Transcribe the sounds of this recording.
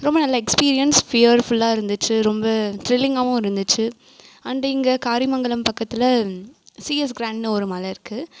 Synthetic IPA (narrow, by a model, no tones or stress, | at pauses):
ɾɔmbɐnɐlːɐɛkspiːɾɪjɐnsfijʋɐɾfʊlːaːɪɾɯnd̪ɯt͡ʃːɯɾɔmbɐʈ̪ɾɪlːɪŋɡaːʋʊ̃ɪɾɯnd̪ɯt͡ʃːɯ | ɐnɖɐɪŋɡɐkaːɾimɐŋɡɐɭɯmpɐkːɐt̪ːɪlɐ | siːɐs̬ɡɾãːɳɖnɯɔɾɯmaːlɐɪɾɯkːɯ